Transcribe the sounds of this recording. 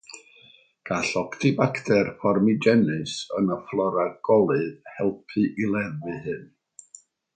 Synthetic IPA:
ɡ̥aɬɔktʰɨbaktʰɛrfɔrmid͡ʒɛnɨsənəflˠɔɾaɡ̥ɔlˠɨðhɛlˠpʰɨʔilˠɛðvɨhɨn

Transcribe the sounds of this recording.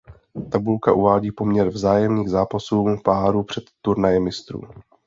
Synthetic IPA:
t̪abulkaʔuvaːɟiːpo̞mɲɛɾvzaːjɛmniːɣzaːpasuːpaːɾuːpr̥ɛt̪ːuɾnajɛmːɪst̪ɾṵː

